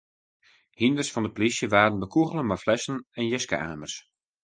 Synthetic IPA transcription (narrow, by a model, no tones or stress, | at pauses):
hindərsfɑndəplisjəʋaːdən̩bəkuɣəlˠənmaflɛsən̩ɛnjɛska̰ːmərs